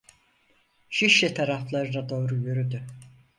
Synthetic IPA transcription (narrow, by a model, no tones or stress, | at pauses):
ʃiʃlɛt̪ʰaɾaflˠaɾɯd̪ad̪o̞ːɾujøɾyd̪y